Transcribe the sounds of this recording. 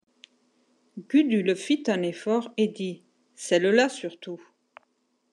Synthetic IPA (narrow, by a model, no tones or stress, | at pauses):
ɡyd̪ylfit̪ɛ̃nefɔʁed̪i | sɛllasyʁt̪u